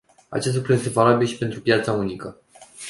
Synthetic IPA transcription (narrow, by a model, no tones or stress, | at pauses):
a̰t͡ʃe̞s̬t̪lukɾuje̞st̪e̞valabilʃi̥pe̞nt̪ɾupjat̪saunikə